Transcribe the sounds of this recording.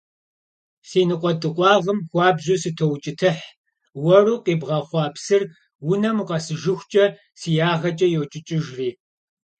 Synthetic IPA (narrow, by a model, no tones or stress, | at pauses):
siːnɨqʷʼɔtʼɨqʷʼɑːʁəmxʷɑːbʑuːsɨtʰowt͡ʃʼɪtʰɨħ | wɐruːqeːbʁɐχʷɑːpʰsɨr | wʊnɐmuqɐsɨʒɪxʷt͡ʃʼɐ | sijaːʁɐt͡ʃʼɐjɛwt͡ʃʼɪt͡ʃʼɪʒriː